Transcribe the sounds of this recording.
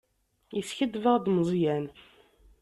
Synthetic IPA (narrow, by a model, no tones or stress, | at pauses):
jəsçəd̪vəʁd̪mzˤjæn